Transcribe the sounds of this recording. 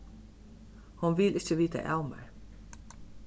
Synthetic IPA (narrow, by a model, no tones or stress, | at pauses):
hʊnʋɪlʔɪçəʋiːt̪ʰa̰ʔɑ̰ʊmə̰ɹ